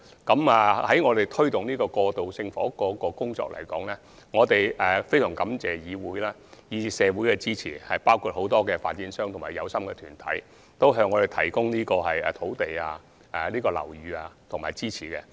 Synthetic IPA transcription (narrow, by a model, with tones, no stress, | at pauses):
kɐ˨˥ma˨hɐ˨˥jŋɔː˨˧t̪e˨jt̪ʰɵ˥ɥt̪ʊ˨ŋniː˥kɔː˧kɔː˧t̪o˨wsɪ˧ŋfɔː˨˥kɔː˨˧kɔː˧kʊ˥ŋt͡ʃɔ̰ː˧k̚lɐ̰˨˩jkɔː˨˥ŋlɛː˥ | ŋɔː˨˧t̪e˨jɛː˨fe˥jsœː˨˩ŋkɐ˨˥mt͡sɛː˨˩jiː˨˧wuː˨˥jlaː˥jiː˨˧i˧sɛː˨˧wuː˨˥jkɛ˧t͡siː˥t͡sʰiː˨˩hɐ˨jpaː˥wkʰuː˧t̚ho˨˥wt̪ɔː˥kɛː˧faː˧t̚t͡siː˨˥nsœː˥ŋt̪ʰʊ˨˩ŋmaː˨˩jɐ̰˨˧wsɐ˥mkɛ˧t̪ʰyː˨˩nt̪ʰɐ̰˨˥j | t̪o˥wɦœː˧ŋːɔ˨˧e˨jt̪ʰɐ˨˩jkʊ˥ŋniː˥kɔː˧ɦɐ˨jɛ̰ː˨t̪ʰo˨˥wt̪e˨jaː˧ | ʔɛ˨niː˥kɔː˧lɐ̰˨˩wjyː˨˧aː˧t̪ʰʊ˨ŋmaː˨jt͡siː˥t͡sʰiː˨˩kɛ̰˧